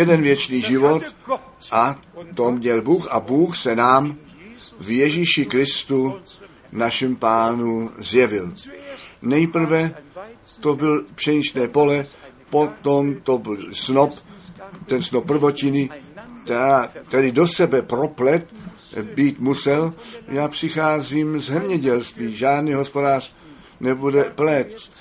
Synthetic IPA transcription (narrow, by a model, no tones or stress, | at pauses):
jɛdɛnvjɛt͡ʃniːʒɪvot̪ | ʔat̪omɲɛlbuːxabuːxsɛnaːm | vjɛʒiʃɪkɾɪst̪u | naʃimpaːnuzjɛvɪl | nɛjpr̩vɛ | t̪obɪlpr̥ɛɲiʃnɛːpo̞lɛ | po̞t̪omt̪obsnopt̪ɛnsnopːr̩vo̞cɪnɪt̪ɛaːt̪ɛdɪdo̞sɛbɛpɾo̞plɛt̪ | biːt̪musɛljaːpr̥ɪxaːziːmzzɛmɲɛɟɛlst̪viːʒaːdniːɦo̞spo̞daːr | nɛbudɛplɛt̪